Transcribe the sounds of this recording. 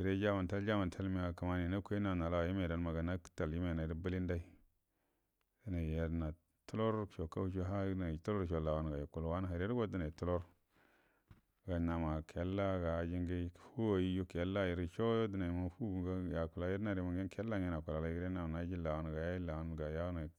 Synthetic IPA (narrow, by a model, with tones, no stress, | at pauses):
ɡi˨ɾe˦d͡ʒa˦ma˨ta˦ld͡ʒa˦ma˨n˨tʰa˦lmi˨a˨ka˨ma˦ni˨na˦kʷna˨na˨la˨wa˨i˦me˨da˨n˦ma˨ɡa˨na˦kta˨lji˦me˨na˨i˦ɾbə˦li˦nda˦i˦ | di˦na˨je˦ɾna˨ | tu˦lo˦ɾʃo˨ka˦u˦t͡ʃu˦ɦa˦na˨tu˦lo˦ɾʃo˨la˨wo˨˦n˨ɡa˨i˨ku˨lwa˦na˦˨ɾe˦ɡo˦di˦na˨i˨tu˦lo˦ɾ | ɡa˨na˨ma˨kʰe˨˦lːa˦ɡa˨d͡ʒi˦ŋɡi˦˨fu˦wa˨ji˦ju˦ke˨˦lːa˦˨ji˨ɾi˦t͡ʃo˦jo˦di˦na˨ji˨ma˦fu˦˨ɡa˦ja˨ku˨la˨je˦ɾna˦˨ɾi˨˦ma˨ɡe˦kʰe˦lːa˦ŋe˦na˨ku˨la˨la˨˦ɾe˦a˨m˨na˨˦d͡ʒi˦la˨wo˦n˨ɡa˨ja˦i˦la˨wo˦n˨ɡa˨ja˦n˨